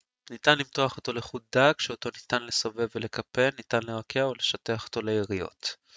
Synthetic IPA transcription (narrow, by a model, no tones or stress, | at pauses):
nit̪anlimto̞aχo̞to̞leχut̚dakʃeot̪o̞nit̪anle̞sove̞vele̞kʰape̞lnitanleʁakʰeaole̞ʃateaχo̞̥t̪o̞lejeʁijo̞̰t